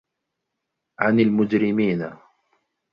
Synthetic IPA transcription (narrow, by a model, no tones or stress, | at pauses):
ʕanalmʊd͡ʒɾɪmiːna